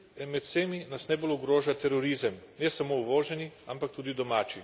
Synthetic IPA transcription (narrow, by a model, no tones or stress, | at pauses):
mɛt̪seːminasnɛboluɡɾoːʒat̪ɛɾɔɾizəmnɛsamouʋoːʒɛniampak̚t̪uːd̪id̪ɔmaːt͡ʃi